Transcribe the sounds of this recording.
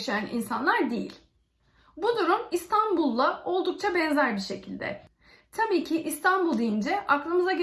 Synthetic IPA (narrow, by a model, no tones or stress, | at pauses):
ʃejanʔḭnsanlˠaɾd̪ejḭlʲ | bud̪uɾumist̪ʰanbulˠːao̞lˠd̪uk̚t͡ʃʰabɛnzæɾbiɾʃe̞cʰilʲd̪ɛ̰ | t̪ʰabiːcʰɪʔist̪ʰanbulˠd̪ijind͡ʒɛʔaklˠɯmɯzaɟe